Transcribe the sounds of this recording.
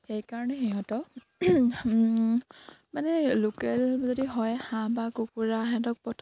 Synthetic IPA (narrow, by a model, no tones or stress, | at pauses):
xejkaɹɔnɛxeɦɔtɔ | manɛːukɛlzɔdiɦɔjhãbakukuɹaɦɛdɔk̚pɔtʰ